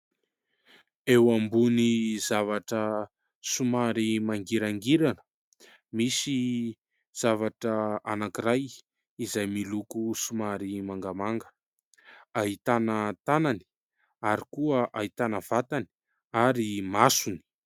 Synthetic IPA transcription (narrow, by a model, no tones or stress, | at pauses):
ewambunizavaʈ͡ʂə | sumaɾimaŋɡiɾaŋɡiɾanə̥ | misi | z̥avaʈ͡ʂəanakiɾaj | izajmilukusumaɾimaŋɡamaŋɡə̥ | aɦit̪anət̪anani̥ | aɾikuəʔait̪anəv̥at̪ani̥ | aɾimasuni̥